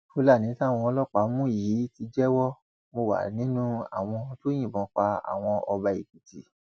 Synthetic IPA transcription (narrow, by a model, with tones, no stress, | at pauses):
o˦la˦˨nĩ˨˦tã˦˨ɔ̃˧ɔ˧lɔ˦k͡pa˨˦mũ˦˨ji˨˦ti˧d͡ʒɛ˦wɔ˦ | mo˧wa̰˨nĩ˨˦nũ˦a̰˦˨w̃ɔ̃˧to˦j̃ĩ˦˨bɔ̃˨˧˦k͡pa˧a̰˨w̃ɔ̃˧ɔ˧ba˧i˨ki˨ti˨˦